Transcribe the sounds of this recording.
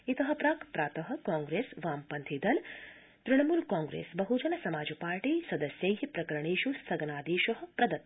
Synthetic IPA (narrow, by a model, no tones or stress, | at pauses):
it̪ɐɦɐ̆pɾaːkpɾaːt̪ɐɦɐ̆kaːŋɡɾeːsʋaːmpɐnt̪ʰid̪ɐl | t̪ɾɪɳɐmuːlkãːŋɡɾḛːsbɐɦud͡ʒɐnɐsɐmaːd͡ʒɐpaːɾʈiːsɐd̪ɐsjɐjɦipɾɐkɐɾɐɳiːʃusɐɡɐnaːd̪iːʃɐɦɐ̆pɾɐd̪ɐt̪̚